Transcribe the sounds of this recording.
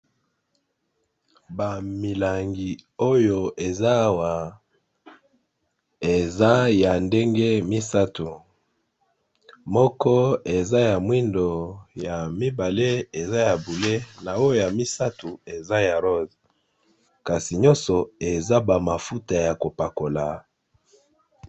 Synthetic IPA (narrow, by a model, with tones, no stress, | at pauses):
ba˨mi˨la˨ŋɡi˨o˦jo˨e˨za˦wa˨ | e˨za˦ja˨nde˦ŋɡe˦mi˦sa˦tu˨ | mɔ˦kɔ˦e˨za˦ja˨mwi˦ndo˨ja˨mi˦ba˨le˦e˨za˦ja˨bu˨le˦na˨o˦jo˨ja˨mi˦sa˦tu˨e˨za˦ja˨ʁo˦z | ka˨si˨ɲɔ̃˦sɔ˨e˨za˦ba˨ma˨fu˦ta˨ja˨ko˨pa˨ko˨la˨